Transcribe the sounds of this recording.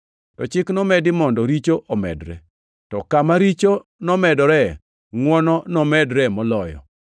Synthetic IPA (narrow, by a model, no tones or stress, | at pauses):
tɔt͡ʃɪknɔmɛdɪmɔndɔɾit͡ʃoʔɔmɛ̰dɾɛ̰ | tɔkamaɾit͡ʃonɔmɛdɔɾɛ | ŋwɔnɔnɔmɛdɾɛmɔlɔjɔ̰